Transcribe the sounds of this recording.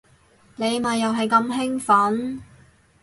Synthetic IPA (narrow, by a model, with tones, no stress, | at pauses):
ne˨˧jmɐ˨jːɐ˨wɦɐ˨jkɐ˧mɦɪ˥ŋfɐ˨˥n